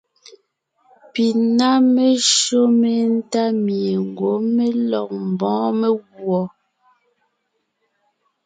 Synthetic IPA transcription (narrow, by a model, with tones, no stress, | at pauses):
pi˨na˦me˦ʃo˦me˨n̩˦ta˦mje˨ŋ˨ɡwo˨˦me˦lɔ˨k̚m̩˨bɔ̃ː˨˦me˦ɣwɔ˨